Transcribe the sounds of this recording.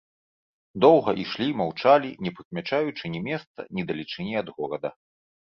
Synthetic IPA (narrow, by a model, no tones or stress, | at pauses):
d̪ɔwɣɐʔiʂlʲimawt͡ʂalʲinʲɛpɨkmʲat͡ʂajut͡ʂɨnʲimʲɛst̪sɐ̰nʲid̪ɐlʲit͡ʂɨnʲɛɐd̪ɣɔɾɐd̪ɐ